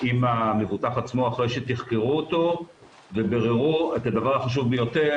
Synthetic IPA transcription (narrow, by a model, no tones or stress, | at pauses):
imamevut̪aχat͡smo̞aχʁe̞jʃet̪iχkeʁuot̪o̞ | vebeʁeʁuet̪ad̪avaʁaχaʃ̬uvbejo̞te̞